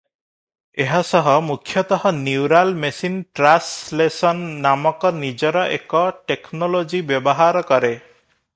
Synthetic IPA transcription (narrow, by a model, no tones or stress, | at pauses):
eɦasɔɦɔmukʰːjɔt̪ɔɦɔniwɾalmesinʈɾaslesɔnːamɔkɔnid͡ʒɔɾɔʔḛkɔʈeknɔlod͡ʒibjɔbɔɦaɾɔkɔɾe